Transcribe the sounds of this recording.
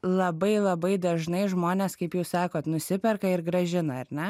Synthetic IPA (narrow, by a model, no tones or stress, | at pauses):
lˠɐbɐɪlˠɐbɐɪd̪ɐʒnɐɪʒmoːnʲeːskɐɪpjɛʊssɑːkoːt̪nʊsʲɪpʲɛrkɐɪɾɡɾɐʒʲɪnɐɐɾnʲɛ